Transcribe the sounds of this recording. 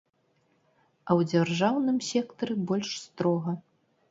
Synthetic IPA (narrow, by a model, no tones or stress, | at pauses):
ɐwd͡zʲarʐawnɨmsʲɛkt̪ɐɾɨbɔlʲʂst̪ɾɔɣɐ